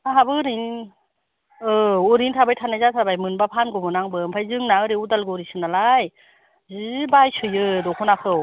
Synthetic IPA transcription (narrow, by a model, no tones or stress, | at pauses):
aɦabɯɾin | ɯuɾintʰabajtʰanazatʰɾabajmɯnbapʰanɡɔmɯnaŋbɯmpʰajzɯŋnaɯɾeudalɡɯɾisɯnalaj | zɯbajsɯjɯdɔkʰɔnakʰɯw